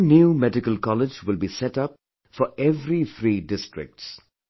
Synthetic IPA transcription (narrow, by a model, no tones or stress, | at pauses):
njumɛɖɪkəlkɔlɪd͡ʒʋɪlbisɛʈʌp̚ | fɔɾɛvɾifɾiːɖɪsʈɾɪ̰k̚ʈs